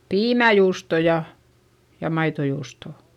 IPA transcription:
piːmæjuːsto jɑ jɑ mɑitojuːstoˑ

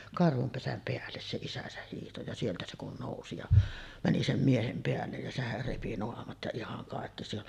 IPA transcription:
kɑrhum pesæm peælːes se isæsæh hiːhto jɑ sieltæ se kun noˑusi jɑ mæni sem miehem peælːej jæ sehær repi noɑmɑt jɑ ihɑŋ kɑˑekːi se on

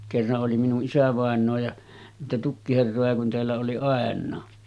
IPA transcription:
kerːɑʔ ʔoli minuʔ ʔisæʋɑˑenˑoː jɑ niːtæ tukːiherːojɑ kun teælːæ oli ɑˑenˑɑː

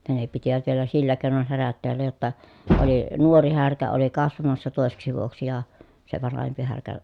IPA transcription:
jɑ ne pitiʋæt ʋielæ silːæ keˑi̯non hæræt teælːæ jotːɑ oli nuori hærkæ oli kɑsʋɑmɑsːɑ toˑeseksi ʋuoksi jɑ se ʋɑnɑhempi hærkæ

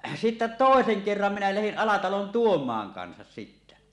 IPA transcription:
sitːæ toˑeseŋ kerːɑm minæ læhin ɑlɑtɑlon tuomˑɑːŋ kɑnsɑs sitːæ

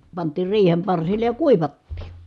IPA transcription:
pɑntˑiːr riːhem pɑrsilːej jɑ kuiʋɑtːiː

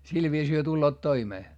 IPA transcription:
sil ʋiːsiː hyø tulːoːt toimeː

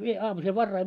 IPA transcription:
ʋie ɑːmusel ʋɑrːɑi

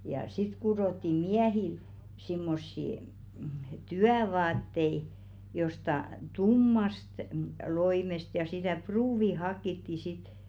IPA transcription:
jɑ sit kuroˑtːiː miæhil simːosːiˑ tyæʋɑːtːei jostɑ tumːɑst loimest jɑ sitæˑ pruːʋi hɑkːitːi sit

